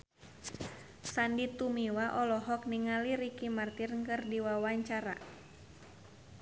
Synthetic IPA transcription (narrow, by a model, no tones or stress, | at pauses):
sandit̪umiwaʔɔlɔɦɔk̚niŋaliɾikimart̪irŋkɨrdiwawaɲt͡ʃaɾa